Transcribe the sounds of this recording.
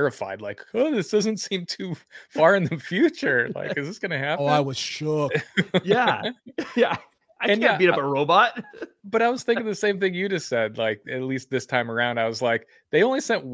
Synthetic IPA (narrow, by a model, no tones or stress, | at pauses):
ɹɨfa̰ɪdˡlaɪkʌðɪsd̥ʌzɨ̃n̩tsĩmtʰʉfɑɹɨ̃nðɨfjʉt͡ʃə˞la̰ɪkɨzðɨtsɡ̥ʌnɨhæoaɪwʌz̥ʃʊkjæ | jæ | aɪɨ̃ñbiɾʌpəɹoʊbɑt̚b̥ʌɾaɪwʌz̥θɪ̃ŋkɪ̃ŋðɨsẽɪ̃mθɪ̃ŋjɨd͡ʒʌsɛd̚laɪk̚ɨtˡlist̪̚ðɪstʰãɪ̃mə˞ãʊ̃ndaɪwʌzlaɪk | ðeɪõʊ̃nlisɛ̃nʔ̚